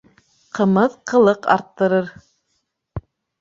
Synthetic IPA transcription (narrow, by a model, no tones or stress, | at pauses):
qɤ̆mɤðqʰɤ̆lˠɤqɑ̰ɾt̪ːɤ̆ɾɤɾ